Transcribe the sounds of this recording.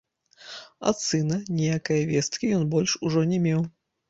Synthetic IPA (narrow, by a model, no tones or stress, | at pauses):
ɐ̰t̪sɨnɐnʲɛjakɐjɐvʲɛst̪kʲijɔnbɔlʲʂuʐɔnʲɛmʲɛw